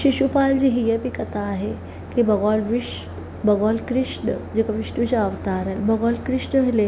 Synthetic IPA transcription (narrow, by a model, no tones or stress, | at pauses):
ɕiɕupald͡ʑiɦijepikət̪ʰaːɦe | kibəɡʋalʋiʂ | bəɡʋalkɾiʂɳəd͡ʑekaʋiʂʈut͡ɕeaʋt̪aɾalbəɡʋalkɾiʂɳəele